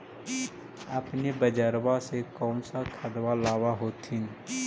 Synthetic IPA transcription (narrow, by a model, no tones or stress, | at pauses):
ɐpnebəd͡ʒəɾwasekɔːnsakʰəɽwalaːwaɦoːt̪ʰɪn